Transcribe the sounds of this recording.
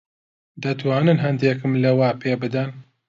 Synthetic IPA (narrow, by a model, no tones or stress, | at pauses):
d̪ɐt̪waːnɨnɦɐnd̪eːkɨmlɐwaːpʰeːbɨd̪ɐn